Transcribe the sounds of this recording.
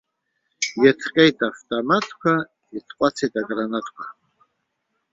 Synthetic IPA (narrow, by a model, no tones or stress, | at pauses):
jɛtʰqʼejtʼaftʼamatʰkʷʰa | itʰqʷʼat͡sʰejtʼaɡʼranatʰkʷʰḁ